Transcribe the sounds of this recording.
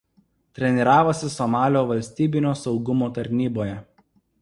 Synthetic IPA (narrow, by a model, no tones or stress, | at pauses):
t̪ʲɾʲɛnʲiɾɑːʋoːsʲɪsɔmɑːlʲoːʋɐlʲsʲt̪ʲiːbʲɪnʲoːsɒʊɡʊmoːt̪ɐɾʲnʲiːboːjɛ